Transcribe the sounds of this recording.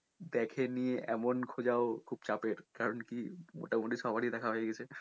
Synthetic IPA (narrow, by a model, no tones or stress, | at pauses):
d̪ɛkʰenijeʔɛmonkʰod͡ʑaokʰub̚t͡ɕapeɾkaɾonkimo̰ʈamoʈiʃɔbʱaɾid̪ɛkʰaɦoeɡɛt͡ɕʰe